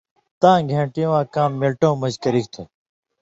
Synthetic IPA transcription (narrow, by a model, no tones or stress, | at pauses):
t̪ãːɡʱẽːʈɪjõːãːkãːmːɪlʈõːməzkəɾiːk̚t̪ʰeː